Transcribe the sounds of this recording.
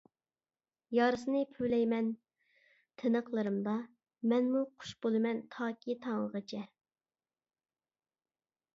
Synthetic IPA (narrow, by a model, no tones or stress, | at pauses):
jɑːɾɨsɨnɨpʰylɛjmɛn | t̪ʰɨnəqlˠɨɾɨmd̪ɑ | mɛnmuqʰʊ̥ʃbolˠɨmɛnt̪ʰɑːkʲʰit̪ʰɑŋəʁət͡ʃʰɛ